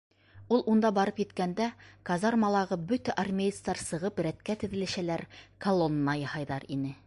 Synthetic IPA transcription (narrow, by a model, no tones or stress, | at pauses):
ulˠund̪ɑbɑɾɤpjɘ̆t̪kænd̪ækɐzɑɾmɑlˠɑʁɤbɵt̪æʔɐrmʲej̪st̪ɑɾsɤ̆ʁɤpɾæt̪kæt̪ɵ̆ðɘ̆lɘ̆ʃælæɾkɐlˠonːɑjɑhɑjðɑɾinɘ